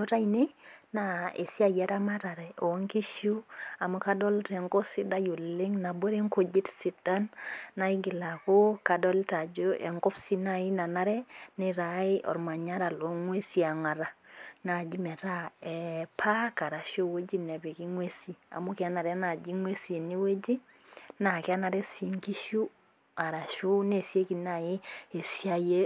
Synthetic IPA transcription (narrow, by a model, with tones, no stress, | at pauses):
no˦ta˦i˨ne˦na˨ḛ˨si˦a˨jɛ˦ɾa˦ma˦ɾa˨ɾɛ˨o˨˦ŋki˦ʃu˦a˨mo˦ka˦dɔ˦ltɛ˨ŋko˦si˦da˦ju˨lɪ˦ŋna˨bo˦ɾe˦ŋko˨d͡ʒi˦tsi˨da˦nːa˨i˦ɡɪ˨la˨ko˦ka˨dɔ˦lta˨d͡ʒo˦ʔɛ̰˨ŋko˦psi˦na˦˨i˦na˨na˦ɾɛ˦nɪ˦ɾa˨ɪ˦ʔɔ̰˨ɾma˨ɲa˦ɾa˨lo˨ŋwe˦si˦a˨ŋa˨ɾa˨na˨d͡ʒi˦mɛ˨ɾa˦ɛ˨pʰa˦ka˨ɾa˨ʃjo˦wo˦d͡ʒi˦nɛ˨βe˨ki˦ŋwe˦si˦a̰˨mo˦ka˦na˨ɾɛ˦na˨d͡ʒi˦ŋwe˦si˨ni˦we˦d͡ʒi˦ | na˨ka˦na˨ɾɛ˦si˨˦ŋki˦ʃu˦ | a˨ɾa˨ʃu˦ne˨sje˦ki˨na˨i˦e˨sja˦je˦